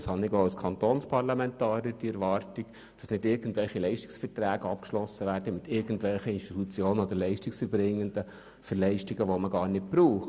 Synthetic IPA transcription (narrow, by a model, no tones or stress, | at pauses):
shɑnːɪɡoɑlskʰɑnt̪onspʰɑrlɑmɛnt̪ɑːɾjəɾd̥iɛɾʋɑːɾtiɡ̥ | d̥ɑsnɪdɪɾɡən̩tʋɛlχilɛɪʃti̥ksfəɾtɾæːɡəɑpkʃlɔsːəʋæːɾd̥əmɪt̪ɪɾɡ̥ən̩tʋɛlχəinʃtit̪ut͡sjoːnənod̪əɾlɛɪʃtiksyɾbɾɪŋːəndə | fəɾlɛɪʃtiɡəʋoməɡɑːɾnɪt̚b̥ɾuːχ